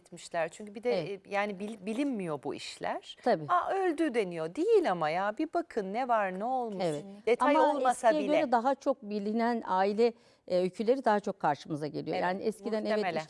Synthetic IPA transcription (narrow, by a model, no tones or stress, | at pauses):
t̪miʃlʲæɾt͡ʃʰyɲcybid̪ɛɛjaːnibibilʲinmijo̞bṵḭʃlʲæ̰ɾ̥t̪ʰabiːaølʲd̪yd̪e̞nijo̞d̪ijilʲamajaːbibakʰɯnːɛvaɾnɛo̞lˠmuevɛt̪d̪et̪ʰaamaolˠmɛasijɛɟø̞ɾɛd̪aɦat͡ʃʰo̞k̚bilʲinænaːilʲɛ | ølʲcʰylʲe̞ɾid̪aɦat͡ʃʰo̞kʰːaɾʃɯmɯzaɟelʲijo̰jaːniʔɛscʰid̪ænnevɛʃ